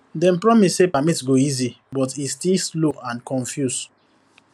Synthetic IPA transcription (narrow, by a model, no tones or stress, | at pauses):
dɛ̃npɹɔmisːepamitɡoizi | bɔtistilsloãnkʰɔ̃ɱfjus